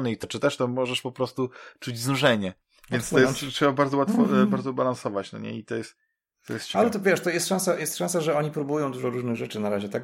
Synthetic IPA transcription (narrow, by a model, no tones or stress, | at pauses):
nɛit̪ɔt͡ʂɨt̪ɛʂt̪ɔmɔʐɛʂpɔpɾɔst̪ut͡ʂud͡ʑznuʐɛɲɛ | vʲjɛnst̪ɔjɛtʂɛbabaɾd̪zɔwat̪fɔbaɾd̪zɔbalansɔvat͡ɕnɔ̰ɲɛ̰it̪ɔjɛst̪ː | ɔjɛst̪t͡ɕalɛt̪ɔvʲjɛʂt̪ɔjɛst̪ʂãsajɛst̪ʂãsaʐɛɔɲipɾubujɔ̃w̃d̪uʐɔɾuʐnɘɣʐɛt͡ʂɘnaɾaʑɛt̪ak